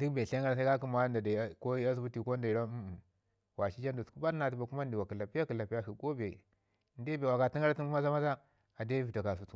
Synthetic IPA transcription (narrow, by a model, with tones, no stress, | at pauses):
di˦kbe˨ɬa˦ŋɡa˦ɾa˨s̬a˦ka˦ki˦ma˨˦nda˨da˨˦ko˦a˦s̬u˦bu˦ti˨ko˦n˦da˨i˨ɾa˦˨ | wa˨ʃi˦d͡ʒa˦ndu˨sku˦ba˦ɾna˨t̬i˨ba˨ku˦ma˦n˨di˨wa˨ka˨la˨pi˦ja˦ka˨la˨pa˦i˨ko˦be˨ | nde˦be˨wa˨ka˨ti˦ŋɡa˦ɾa˦ti˦ŋkma˦za˦ma˦za˦ | a˨da˦vi˨ta˨ka˨s̬u˦tu˨